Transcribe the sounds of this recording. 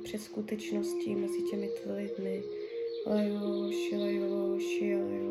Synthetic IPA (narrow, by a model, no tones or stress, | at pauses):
pr̝̥ɛt̪skut̪ɛt͡ʃnoscimɛzɪcɛmɪt̪lɪd̪mɪ | lɛloʃɪlɛloʃɪlɛ